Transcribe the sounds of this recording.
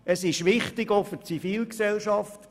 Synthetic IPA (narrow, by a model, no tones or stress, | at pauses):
əsɪʃʋɪχtɪɡoʊfət͡sifiːlksɛlʃɑft